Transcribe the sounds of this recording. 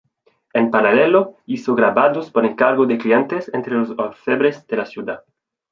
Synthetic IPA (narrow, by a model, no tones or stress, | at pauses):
empaɾaleloisoɣɾaβaðospoɾeŋkaɾɣod̪eklient̪esent̪ɾelosolfeβɾezd̪elasjud̪a